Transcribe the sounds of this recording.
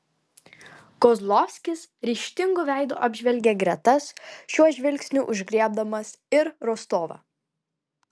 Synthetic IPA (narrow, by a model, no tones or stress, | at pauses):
kɔzlˠɔfʲsʲkʲɪsɾʲiːʃʲt̪ʲɪŋɡʊːʋʲɛˑɪd̪ṵːʔɑːbʲʒʲʋʲɛlʲɡʲeɡɾʲɛt̪ɐsʃʲuɔʒʲʋʲɪlʲksʲnʲuːʔʊʒʲɡɾʲiɛb̚d̪ɐmɐs | ɪɾɾɔst̪oːʋɐ̰